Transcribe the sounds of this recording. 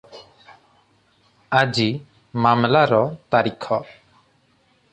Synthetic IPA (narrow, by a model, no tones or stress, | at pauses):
ad͡ʒi | mamlaɾɔt̪aɾikʰɔ